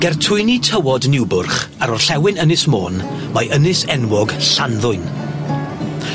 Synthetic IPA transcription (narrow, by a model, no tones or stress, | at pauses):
ɡ̥ɛrtʰʊɨnitʰəwɔdnɪwbʊrχ | aɾɔrɬɛwɪnənɨsmo̰ːn | majʔənɨsɛnwɔɡɬanðʊɨn